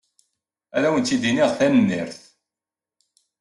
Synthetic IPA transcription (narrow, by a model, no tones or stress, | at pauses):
æɾæwənt̪ːid̪iniʁθænənːḭɾθ